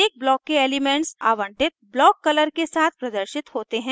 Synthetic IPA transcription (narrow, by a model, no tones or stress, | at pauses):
eːk̚blɔːkːeeːlimɛ̃ɳʈsaːʋə̃ɳʈɪt̪̚blɔːkːɐləɾkesaːt̪̚ʰpɾɐd̪əɾʃɪt̪ɦoːt̪eɦɛ̃ː